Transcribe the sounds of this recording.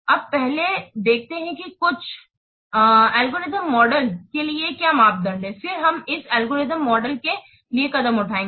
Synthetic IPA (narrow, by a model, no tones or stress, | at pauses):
ɐb̚pɛɦled̪eːk̚ʰt̪eɦɛ̃kikʊt͡ʃʰ | ɛːlɡoːɾɪzəmːɔːɖəlkeliekjamaːp̚d̪ɐɾlẽːfɪɾɦɐmɪsɛːlɡoːɾɪzəmːɔːɖəlke | liekɐd̪əmʊʈʰaːẽːŋɡe